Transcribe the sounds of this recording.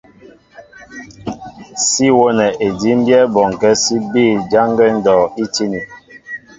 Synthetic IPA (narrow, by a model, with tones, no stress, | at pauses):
si˦wo˦nɛ˨ʔe˨di˦m˦bjɛ˦bɔ˨ŋ˨kɛ˦si˦biː˦˨d͡ʒa˦ŋɡɛ˦n̩˦dɔː˨i˦ti˦ni˨